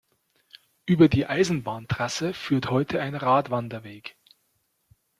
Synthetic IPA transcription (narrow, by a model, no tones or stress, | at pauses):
ʔyːbɐdiːʔaɪzn̩baːntʁ̥asəfyːɐthɔʏtʰəaɪnʁaːtv̥andɐveːk